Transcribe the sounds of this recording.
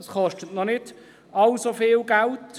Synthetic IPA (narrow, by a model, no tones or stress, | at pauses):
sχɔʃtətnɔnɪd̥ | ɑlsofɪːlɡælt